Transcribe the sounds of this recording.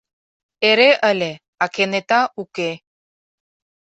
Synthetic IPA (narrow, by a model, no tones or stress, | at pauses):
eɾeʔəlʲe | ɑkenet̪ɑuke